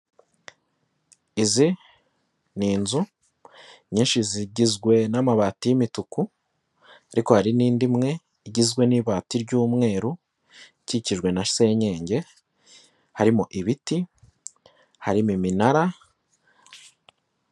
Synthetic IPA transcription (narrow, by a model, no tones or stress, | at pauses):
izi | niːnzu | ɲiːnʃiziɟizɡwe̞namaβaːtijimituku | aɾiko̞haɾiniːndimŋe̞ | iɟizɡwe̞niβaːtiɾɟuːmŋe̞ːɾu | iciciʒɡwe̞naʃse̞ɲe̞ːɲɟe̞ | haɾimuʔiβiti | haɾimiminaɾa